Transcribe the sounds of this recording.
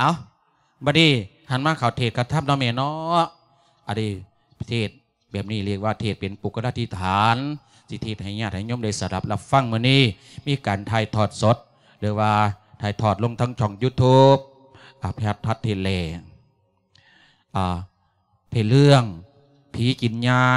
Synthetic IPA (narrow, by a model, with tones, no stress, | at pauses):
ʔaː˨˧˦w | bɔː˧niː˧˩ | ha˧˩˨nmaː˧kʰa˨˩wt̪ʰeː˧˨˩t̪̚kʰa˧t̪ʰa˧˥mnɔ˧˨mɛː˧˩˨nɔː˧˦ʔ | ʔa˧˩˨di˧˩ | t̪ʰeː˧˩t̪̚ | bɛː˨˩p̚niː˧˩li˧˩ək̚waː˧t̪ʰeː˧˩t̪̚pe˨npu˨˦kʰːa˧laː˧t̪ʰi˧t̪ʰaː˨˦n | si˧t̪ʰeː˧˩t̪̚ha˨˩jɲaː˧˩t̪̚ha˨˩jɲo˧˥˨mda˧˩jsa˨˧˩la˧˦p̚la˧fa˧˥˨ŋmɯ˧˨niː˧˥˨ | miː˧˨kaː˨nt̪ʰaː˧˩jt̪ʰɔː˧˩t̪̚so˧˦t̪̚ | lɯː˨˦waː˧t̪ʰaː˧˩jt̪ʰɔː˧˩t̪̚lo˧˨ŋt̪ʰa˧˥ŋt͡ɕʰɔ˧˩ŋjuː˧˩t̪ʰuː˧˥p̚ | ʔaː˧˩pʰɛː˧˩t̪̚ʰːa˧˩t̪ʰːeː˧˩t̪̚lɛː˧˩ | ʔaː˧˩ | pʰe˧˩lɯ˧əŋ | pʰiː˨˦ki˨˦nɲaː˧